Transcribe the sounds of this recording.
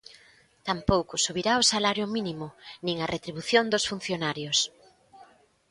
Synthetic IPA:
t̪ampowkʊsuβiɾaosalaɾjʊminimʊnĩŋɐret̪ɾiβuθjond̪osfun̟θjonaɾjos

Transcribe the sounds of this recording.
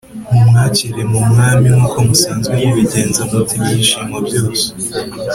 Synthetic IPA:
mumŋaːciɾe̞mumŋaːmiŋhuːko̞musaːnzɡwejiβiɟe̞ːnzamutʰimɲiʃiːmɡabjo̞ːse̥

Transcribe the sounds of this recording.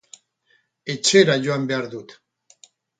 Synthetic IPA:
et͡ʃeɾaʝoambeaɾðut̪

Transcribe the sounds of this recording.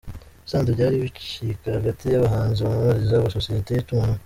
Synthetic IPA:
saːnzeβɟaːɾiβit͡ʃikahaɡatijaβaɦaːnziβamamaɾizaβasosijetejetuːna

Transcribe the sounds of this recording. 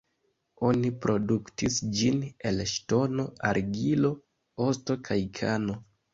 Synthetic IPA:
o̞nipɾʔo̞duktisd͡ʒine̞lʃto̞no̞aɾɡilo̞ | o̞sto̞kʰajkʰano̞

